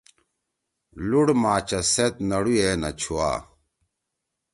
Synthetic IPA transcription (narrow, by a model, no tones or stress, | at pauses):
luɽmaːt͡ɕɐset̪̚nɐɽujeːnɐ̰t͡ɕʰua̰ː